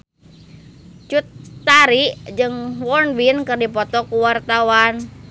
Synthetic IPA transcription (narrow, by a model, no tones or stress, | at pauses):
t͡ʃut̪ːaɾiʔd͡ʒɨŋwɔnwinkɨrdipɔt̪ɔkuwart̪awan